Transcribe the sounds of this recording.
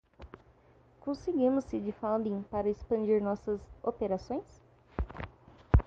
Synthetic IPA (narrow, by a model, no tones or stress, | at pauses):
kõsɪɡĩmʊsːɪd͡ʒɪfãw̃d̪ĩŋpaɾɐespɐ̃nd͡ʒiɾnɔsɐzopeɾasõj̃s